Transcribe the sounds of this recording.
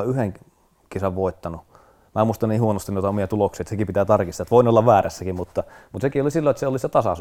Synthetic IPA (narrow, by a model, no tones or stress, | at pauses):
yheŋ | kesæʋʋoˑit̪ːɑnu | mæːmuist̪ɑniːhuonost̪inoit̪ɑomiɑt̪uloksiːet̪sekipit̪æːt̪ɑrkist̪ːɑt̪ʋoˑinolːɑʋʋæːræsːækimmut̪ːɑmut̪sekiolisilːoet̪seoliset̪ɑsɑ̰s